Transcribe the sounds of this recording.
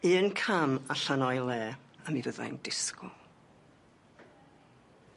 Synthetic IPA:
iːənkʰamaɬanɔjlˠɛːamivəða̰jmdɪskʊlˠ

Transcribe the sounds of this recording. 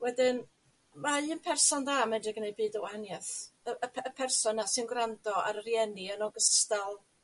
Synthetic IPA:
wɛdɪn | maɨːnpʰɛrsɔndaːmɛndrɪɡənej̚bɨːdəwaanjaθəʔəpʰəpʰɛrsɔnːasɪnɡrandɔa̰ɾərjɛniənɔɡəstalˠ

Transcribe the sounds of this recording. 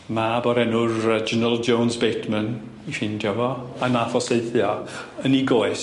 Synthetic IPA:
mabɔɾɛnʊrəd͡ʒənəlˠd͡ʒownzbejtʰmən | ifɪndjɔvɔanafɔseɨθjɔəniɡoɨs

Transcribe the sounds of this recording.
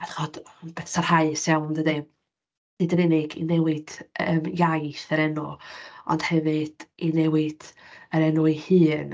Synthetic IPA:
aθχɔd̥b̥ɛsarhaɨsjawndədi | nɨːdənɪnɪɡḭnɛwɪd̥əmjajθəɾɛnʊɔ̰nd̥hɛvɨd̥inɛwɪd̥əɾɛnuihɨːn

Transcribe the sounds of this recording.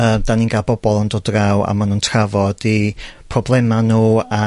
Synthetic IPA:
əːmdaninɡalˠbɔbɔlˠəndɔdrawa̰manuːntʰravɔd̥ipʰrɔblˠɛmanuːa

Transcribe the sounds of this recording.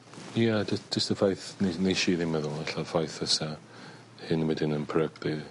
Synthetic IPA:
jadə̥d͡ʒəstəfajθnenejʃiːðiməðʊlˠaɬafajθəsa | hɨnwɛdɪnənpʰrəɡdi

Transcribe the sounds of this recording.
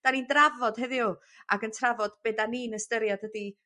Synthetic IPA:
d̥anindravɔd̥ɦɛðɪu | aɡəntʰravɔd̥b̥eːdaniːnəstəɾjad̥ədi

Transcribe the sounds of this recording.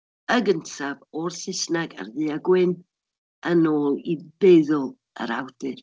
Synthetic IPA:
əɡəntʰavorsɪsnaɡa̰rðɨaɡwɪn | ənoːlˠibeðɔlˠ | ə̰ɾa̰wd̥ɨr

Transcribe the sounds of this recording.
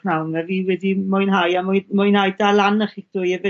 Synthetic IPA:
nawnəviwɛdimʊjnɦajamʊmʊjnhajdalˠanəχik̚d̥ʊjɛvɛ

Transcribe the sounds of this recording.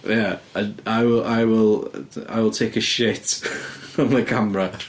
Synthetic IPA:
jaənaɪwɪlˠʔaɪwɪlˠa̰ɪwɪlˠtʰekəʃɪt | ə̃nðəkʰãmɹə

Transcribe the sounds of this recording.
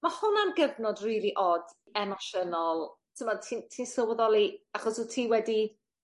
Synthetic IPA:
mahʊnanɡəvnɔdriːlˠiʔɔd̥ | ɛmɔʃənɔlˠtʰəmɔd̚tʰiːntʰiːnsəwɔðɔlˠiaχɔsutʰiːwɛdi

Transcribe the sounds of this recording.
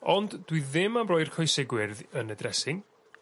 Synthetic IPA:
ɔndd̥wiðɪmamrɔjr̥kʰɔjsɪɡwɪrðənədrɛsɪŋ

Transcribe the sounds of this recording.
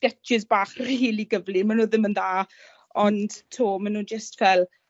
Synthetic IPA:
ɡ̥ɛɪzbaːχriːliɡəvlimanuːðɪmənðaː | ɔnd̥tʰoːmanuːnd͡ʒəstvɛlˠ

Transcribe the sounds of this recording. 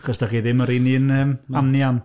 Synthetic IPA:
χɔsd̥aχiːðɪməɾininəmanjan

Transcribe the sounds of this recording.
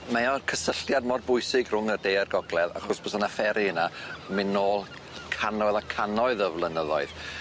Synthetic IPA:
mɛɔrkʰəsəɬjadmɔrbʊɨsɪɡrʊŋərdeːrɡɔɡlˠɛða̰χɔrsb̥ɔsanafɛɾiənamɪnoːlˠ | kʰanɔðˠakʰanɔɨðəvlˠənəðɔɨð

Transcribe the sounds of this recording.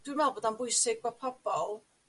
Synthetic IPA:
d̥winmvɛlˠboːdanbʊjsɪɡ̚bapʰɔb̥ɔlˠ

